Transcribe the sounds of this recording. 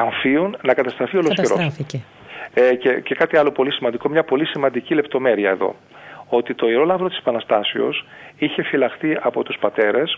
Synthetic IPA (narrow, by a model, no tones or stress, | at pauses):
ɐɱfiunnɐkɐt̪ɐst̪ɾɐfiolosçeɾo̞s | cece̞kɐt̪iɐlo̞po̞lisimɐnd̪iko̞mɲɐpo̞lisimɐnd̪icile̞p̚t̪o̞me̞ɾiɐe̞ðo̞̰ | ot̪it̪o̞iɾo̞lɐvɾot̪ise̥pɐnɐst̪ɐsio̞̰siçe̞filɐxθiɐpo̞t̪uspɐt̪e̞ɾe̞s